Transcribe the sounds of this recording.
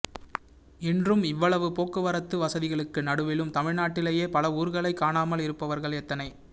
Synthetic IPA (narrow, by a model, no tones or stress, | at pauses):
ɪndrɯmɪʋːɐɭɐʋɯpoːkːɯʋɐɾɐt̪ːɯʋɐsɐðɪɣɐɭɯkːɯnɐɽɯʋɪlɯmt̪ɐmɪɻnaːʈːɪleːjeːpɐlɐuːɾɣɐɭɐɪkːaːnaːmɐlɪɾɯpːɐʋɐɾɣɐɭɛt̪ːɐnɐɪ